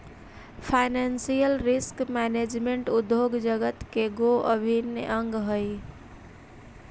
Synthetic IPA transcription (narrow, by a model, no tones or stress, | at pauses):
pʰaɪnansijəlɾiskmɛned͡ʒmeɳʈud̪joɡd͡ʒəɡət̪keɡoʔəbʱinjʔəŋɡɦəj